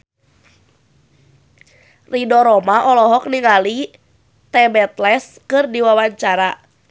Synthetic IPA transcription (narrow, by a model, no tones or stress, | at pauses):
ridɔɾɔmaʔɔlɔɦɔk̚niŋali | t̪ɛbɛt̪lɛs | kɨrdiwawaɲt͡ʃaɾa